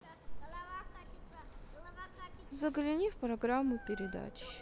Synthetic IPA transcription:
zəɡlʲɪnʲifpɾɐɡɾamːʊpʲɪɾʲɪd̪a̰t͡ɕ

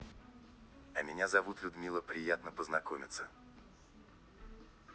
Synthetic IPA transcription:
ɐmʲɪnʲazɐvut̪lʲʊd̪mʲilˠəpɾʲɪjat̪nəpəznɐkomʲɪt̪sə

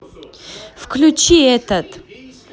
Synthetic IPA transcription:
fklʲut͡ʃiɛt̪ət̪

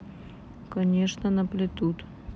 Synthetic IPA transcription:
kɐnʲeʂnənəplʲɪt̪ut̪

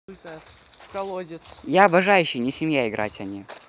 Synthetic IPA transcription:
kɐlˠodʲɪjaɐbɐʐajʉɕːɪjnʲɪsʲɪmjaɪɡɾʔa̰tʲɐnʲi

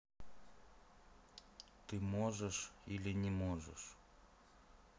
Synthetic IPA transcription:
t̪ɨmoʐəʂilʲɪnʲɪmoʐə̰ʂ

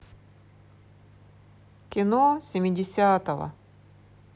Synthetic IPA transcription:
kʲɪnosʲɪmʲɪdʲɪsʲat̪əvə̰

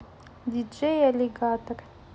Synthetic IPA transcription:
d̪id͡ʒejaleɡaːt̪or

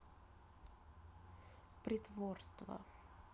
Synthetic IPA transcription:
pɾɪt̪ʰvoɾst̪va̰

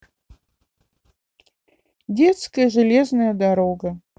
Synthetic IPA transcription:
dʲet̪skəjəʐɨlʲeznɐjəd̪aɾoɡɐ

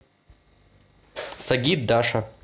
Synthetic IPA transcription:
sɐɡʲit̪̚d̪aʂɐ

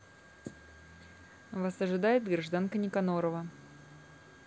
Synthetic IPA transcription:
vasɐʐɨd̪ajɪd̪ɡrɐʐd̪ankənʲɪkɐnoɾəvə

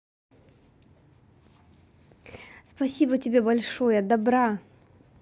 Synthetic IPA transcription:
spɐsʲibətʲɪbʲebɐlʲʂojəd̪ɐbɾa

